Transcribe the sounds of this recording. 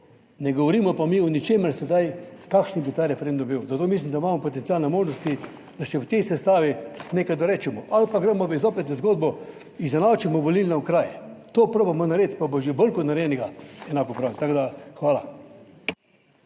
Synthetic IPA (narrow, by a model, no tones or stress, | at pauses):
nɛɡɔʋɔɾiːmɔpamiɔnit͡ʃeːməɾsɛd̪ajkakʃnibit̪aːɾɛfɛɾẽnd̪umbiwzat̪oːmis̬limd̪aimaːmɔpɔt̪ɛnt̪iaːlnɛmoːʒnɔst̪i | d̪̥aʃt͡ʃɛwt̪ɛjsɛst̪aːʋinekajd̪ɔɾɛːt͡ʃɛmɔʔalpaɡɾɛmɔʋəizopɛt̪ɛzɡoːd̪̚bɔ | izɛnawt͡ʃɛmɔʋolilnɛkɾajt̪oːpɾoːbamɔnaɾeːt̪pabɔʒebəlkɔt̪naɾɛjɛnɛɡaɛnakɔpɾawt̪aɡd̪axʋaːla